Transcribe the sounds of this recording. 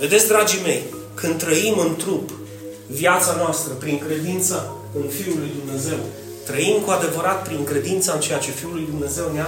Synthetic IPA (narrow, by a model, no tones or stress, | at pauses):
ve̞d̪e̞t̪sʲd̪ɾad͡ʒime̞j | kɨnd̪t̪ːɾəimɨnt̪ɾup | viat̪sanoast̪ɾəpɾiŋkɾe̞d̪int̪sə | kumfiulujd̪umne̞ze̞w | t̪ɾəimkuad̪e̞vəɾat̪̚pɾiŋkɾe̞d̪int̪saɨnt͡ʃe̞jat͡ʃe̞fiulujd̪umne̞ze̞wnea